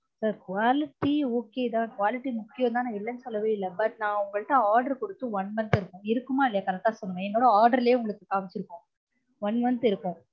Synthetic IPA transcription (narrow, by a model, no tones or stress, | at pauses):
sɐɾkʊʋaːlɪʈːioːkeːd̪ãːkʊʋaːlɪʈːimʊkːɪjɐ̃nd̪ãːnãːɪɭːɐnsɔlɐʋɐɪlːɐbɐʈ̚nãːʊŋɡɐɭʈ̪ːãːaːɾɖɐɾkɔɽɯt̪ːɯ̃ʋɐnmɐnt̪ɪɾɯkːõɪɾɯkːɯmaːɪlːɐjɐkɐlɐt̪ãːsɔnːɯʋɛ̃ɛnːoːɽɐaːɾɖɐɾɪlɐjeːʊŋɡɐɭɯkːɯkaːmɪt͡ʃːɪɾɯkːõː | ʋɐnmɐnd̪ɪɾɯkːõː